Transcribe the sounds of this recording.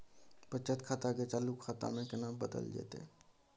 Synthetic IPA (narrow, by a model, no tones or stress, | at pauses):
pət͡ʃət̪kʰaːt̪aket͡ʃaːlukʰːat̪a̰mẽkɪnabəd̪ə̰ld͡ʒḛt̪ḛ